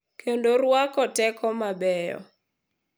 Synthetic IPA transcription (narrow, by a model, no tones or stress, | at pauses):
kʰendoɾwakɔtɛkʰɔmabɛjɔ̰